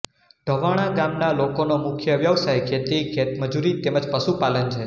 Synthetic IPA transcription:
ɖ̪̥ʱəʋaɽ̃aɡamnalokonomʊkʰjəʋjəʋsajket̪eɡʰet̪məd͡ʒuɾit̪eməd͡ʒpəʃupalənt͡ʃʰe

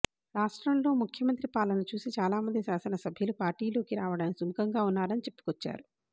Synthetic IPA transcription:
ɾaːʂʈɾɐmlo̞ːmukʰjɐmɐnt̪ɾipaːlɐnɐt͡ʃuːsit͡ʃaːlaːmɐnd̪isaːsɐnɐsɐbʱjulupaːɾʈiːlo̞ːkiɾaːʋɐɽɐnisumkɐŋɡaːunːaːɾɐnit͡ʃe̞pːu̥kɔt͡ʃːa̰ːɾu

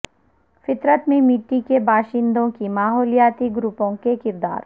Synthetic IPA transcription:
fɪt̪ɾət̪mẽmɪʈːikebʱaːʃɪ̃nd̪õkimaːɦɔːlijaːt̪iɡɾupõkekɪɾd̪a̰ːɾ

